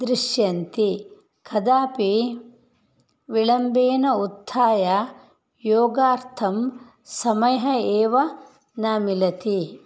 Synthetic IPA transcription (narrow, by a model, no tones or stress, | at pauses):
d̪ɾiʃjɐnt̪i | kʰɐd̪aːpi | ʋiɭɐmbeːnɐut̪ʰːaːjɐ | joːɡaːɾt̪ʰɐm | sɐmɐjɐɦɐeːʋɐ | naːmilɐt̪i